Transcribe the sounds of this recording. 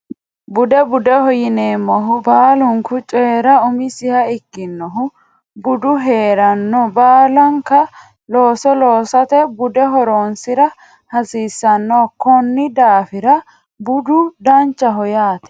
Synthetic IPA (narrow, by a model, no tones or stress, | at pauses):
bʊd̪ɛbʊd̪ɛhɔjɪneːmːɔɦʊbaːlʊŋkʊt͡ʃʼeːɾɐʊmɪsɪhɐɪkːɪnːɔɦʊ | bʊd̪ʊɦeːɾɐnːɔbaːlɐŋkɐ | loːsɔloːsɐt̪ɛbʊd̪ɛɦɔɾoːnsɪɾɐ | hɐsiːsːɐnːɔːkɔnːɪd̪aːfɪɾɐ | bʊd̪ʊd̪ɐnt͡ʃːɐɦɔjaːt̪ɛ̥